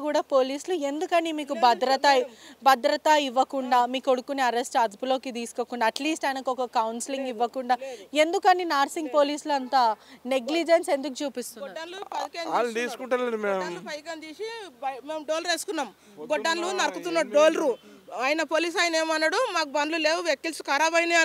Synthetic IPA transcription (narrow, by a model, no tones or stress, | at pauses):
kuːɽaːpo̞ːliːslue̞nd̪ukɐnimiːkubʱɐd̪ɾɐt̪ɐbɐd̪ɾɐt̪ɐiʋːɐkuɳɖaːmiːkoɽukːuneːɐɾesʈɐd̪upulo̞ːkid̪iːsu̥kokːuɳɖaːʈliːsʈɐjnɐkɔkɐkɐwnsiliŋɡiʋːɐkuɳɖaːe̞nd̪ukɐninaːɾsiŋɡ̚po̞ːliːsluɐnt̪aːneɡlid͡ʒense̞nd̪uk̬ut͡ʃuːpist̪unaːɾɐluɐd̪keaːld̪iːsu̥kuɳʈɐlnimeːmpɐjkɐnt̪iːsimeːmɖoːlɐɾeːsu̥kunːaːm | ɡɔɖːanlunɐɾɐkut̪unːɐɖoːlɐɾuaːjnɐpoːliːs̬aːjɐneːmɐnːɐɽumaːkubɐnluleːwuʋjekːilsu̥kɐːɾabɐjniɐ